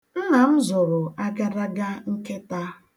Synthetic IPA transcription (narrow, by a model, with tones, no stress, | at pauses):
n̩˦na˨m̩˦zʊ˨ɾʊ˨ʔa˦ɡa˦ɾa˦ɡa˦ŋ̩˦ke˦ta˦